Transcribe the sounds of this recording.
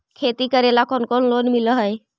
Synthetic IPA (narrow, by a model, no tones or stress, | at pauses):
kʰet̪ikəɾelakonkonlonmiləɦəj